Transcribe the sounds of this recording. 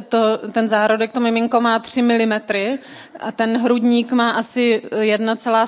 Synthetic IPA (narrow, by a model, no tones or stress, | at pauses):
t̪ot̪ɛnzaːɾodɛk̚t̪omɪmɪŋkomaːt̪r̝̥ɪmɪlɪmɛt̪ɾɪ | ʔat̪ɛnɦɾudɲiːkmaːʔasɪjɛdnat͡sɛlaː